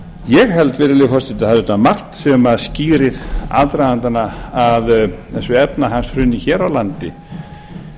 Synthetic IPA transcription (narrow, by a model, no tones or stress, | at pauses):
jɛɣɦɛlt̪vɪːɾɪlɪfɔst̪ɪt̪ahaðt̪amar̥t̪sɛmaðsciːɾɪða̰ðt̪ɾajðant̪anaaðθɛsʏɛpnaɦanshɾʏnːɪçɛːɾawlant̪ɪ̰